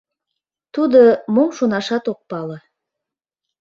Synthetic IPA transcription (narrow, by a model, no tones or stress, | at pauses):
t̪ud̪əmomʃunɑʃɑt̪ok̚pɑlɤ̆